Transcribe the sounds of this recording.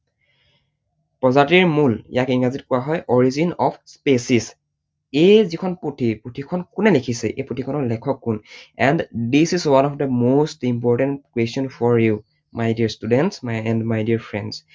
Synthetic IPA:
pɹɔzatiɹmuljakiŋazit̚kʊwaɦɔjʔɔɹizinɔpʰspesis | ejzikʰɔnpɹotʰipɹotʰikʰɔnkunɛlekʰisɛʔejpɹotʰikʰɔnɔɹlɛkʰɔkːunɛ̃nddisizwanɔfdəmostimpɔɹʈɛntkwestɔnfɔɹju | majdiɹstudɛntsmajɛ̃ndmajdiɹfʰɹɛ̃nds

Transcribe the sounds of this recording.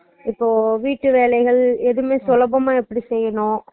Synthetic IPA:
ɪpːoːʋiːʈːɯʋeːlɐɪɣɐɭɛðɯmeːsʊlɐbɐmaːɛpːɐɽisɛjːɐɳõː

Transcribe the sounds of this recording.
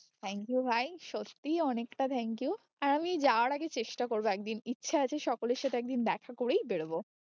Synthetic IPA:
t̪ʰɛŋkjubʱajʃot̪ːiɔnekʈat̪ʰɛŋkiju | aɾamid͡ʑaoaɾaɡet͡ɕeʃʈakoɾboɛk̚d̪initːɕʰaat͡ɕʰeʃɔkoleɾʃat̪ʰeɛk̚d̪ind̪ɛkʰakoɽejbeɽbo

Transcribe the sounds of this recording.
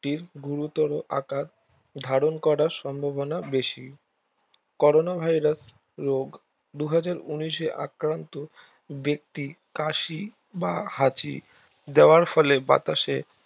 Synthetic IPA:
ʈiɾɡuɾut̪ɔɾoʔa̰kaɾ | d̪ʱaɾonkɔɾaɾʃɔmbʱobonabeʃi | kɔɾonabʱajɾas | ɾoɡ | d̪uɦad͡ʑaɾuniʃeʔa̰kɾant̪o | bek̚t̪i | kaʃi | bahat͡ɕḭ | d̪eoaɾfɔleba̰t̪aʃe

